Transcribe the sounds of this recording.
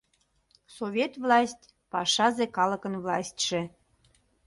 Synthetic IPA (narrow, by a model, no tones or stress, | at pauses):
soβʲet̪vlɑsʲtʲ | pɑʃɑzekɑləkənvlɑsʲt̪ʲʃĕ